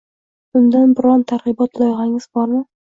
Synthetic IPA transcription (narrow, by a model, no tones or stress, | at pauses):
bʊnd̪anbɪɾɒnt̪ʰaɾʁɨbɒt̪ʰlˠojʁaŋɪzbɒɾmɪ